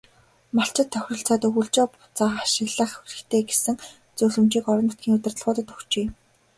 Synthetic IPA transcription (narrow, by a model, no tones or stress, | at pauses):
maɬt͡ɕɪ̆t̪ʰːœxʲrɞ̆ɬt͡saːt̪ɵɣɵ̆ɮt͡ɕɔːpʊ̥t͡saːχaʃɪɮə̆χɵxrɘ̆xt̪ʰeːɡesɘ̆ŋ | t͡sɵːɮɘ̆mt͡ɕiːkɔɾɞ̆nʊt̪ɡʲiːŋʊt̪ɪ̆rt̪ə̆ɮʁʊːt̪ə̆t̪ɵ̥xt͡ɕeː